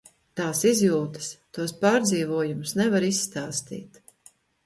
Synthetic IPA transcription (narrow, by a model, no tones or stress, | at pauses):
t̪aːsizjuːt̪ɐ̥st̪uɔspaːɾd̪ziːvuɔjumʊsnɛvaɾisːt̪aːst̪ḭːt̪